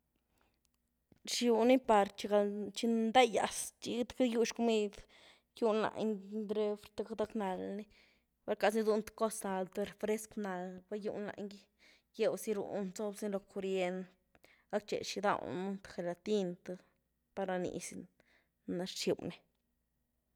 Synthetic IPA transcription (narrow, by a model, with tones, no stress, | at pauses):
ʃi˨˧wni˦pa˨ɾt͡ʃi˧ɡa˧t͡ʃi˧nnd̪a˦ja̰˨st͡ʃi˧t̪ka˦ju˦ʃku˧mi˦d̪ | ju˦nla̰˨ŋd̪ɾe˦fɾt̪a˦kad̪a˦kna˨lni˦ | ba˦lka˧sni˦d̪u˧nt̪ḁko˦sna˨ld̪e˧ɾfɾe˦skna˨lba˦jṵ˦nla̰˨˧ŋɡi˦ | je˦wsi˦ɾṵ˨nzo˦bsi˦lo˧ko˧ɾje˧nt̪ | a˦k̚t͡ʃḛ˨ʃi˧d̪a̰˧wnu˦nt̪ḁxe˨la˨t̪i˦nt̪a˧ | pa˧ɾa˧nḭ˨s | na˧ɾʃi˨wni˦